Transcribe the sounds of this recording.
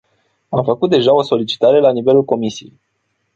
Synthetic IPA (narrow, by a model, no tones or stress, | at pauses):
amfəkut̪̚d̪e̞ʒao̞so̞lit͡ʃi̥t̪aɾe̞lanive̞lulko̞misijḛj